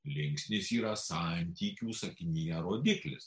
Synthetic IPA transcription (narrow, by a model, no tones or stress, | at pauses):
lʲɪŋʲksʲnʲɪsiːɾɐsɐˑnʲt̪ʲiːkʲuːsɐkʲɪnʲiːjɛɾoːd̪ʲɪklʲɪ̰s